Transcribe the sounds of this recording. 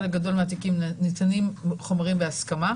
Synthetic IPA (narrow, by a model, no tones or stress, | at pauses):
leɡado̞lmeat̪̬ikimnit̪animχo̞mʁimbeaskama